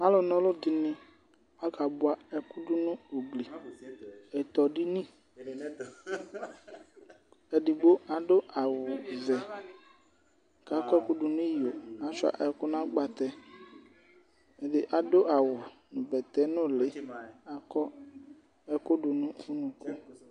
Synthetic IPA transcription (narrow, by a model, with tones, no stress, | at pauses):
a˦lɔ˨nɔ̃˦lo˦di˨nĩ˦ | a˦ka˨bʊ˦a˨ɛ˦ku˦du˦nũ˦o˨ɡ͡bli˨ | ɛ˨t̪ɔ˨ɖi˦nĩ˦˨ | ɛ˨ɖi˨ɡ͡bo˦a˨ɖo˦a˨wʊ˨zɛ˨ | ka˨˦kɔ˦ku˦ɖu˨nũ˦jo˨a˨t͡ʃʊ˦a̰˨ʔɛ˨kʊ˦nã˦ɡ͡ba˨t̪ɛ˦ | e˨de˨ʔa˨do˦ʔa˨wʊ˨ | nũ˨bɛ˨t̪ɛ˨˦nʊ̃˦˨le˨˦a˦kɔ˦ | ɛ˨kʊ˦ɖu˨nũ˦u˦nũ˨ku˦